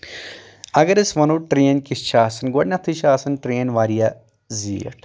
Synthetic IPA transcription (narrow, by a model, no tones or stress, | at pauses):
ɐɡɐɾisʋɐnuʈɾeːnkist͡ʃʰaːsɐnɡoɖnʲɐt̪ʰiʃaːsɐnʈɾeːnʋaːɾijɐ | ziːɐ̰ʈ